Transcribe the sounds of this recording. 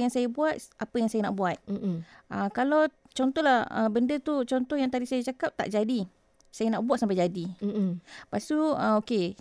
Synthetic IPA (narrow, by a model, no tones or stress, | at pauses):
jaŋsajabuat̪̚ʔapəjaŋsajana̰ʔbuat̪̩̚ʔəkalaw | t͡ʃɔnt̪ɔhlahə̰bəndət̪ut͡ʃɔnt̪ɔhjaŋt̪adisajat͡ʃakap̚t̪a̰ʔd͡ʒadi | sajanaʔbuat̪̚sampajd͡ʒadi | past̪uəoke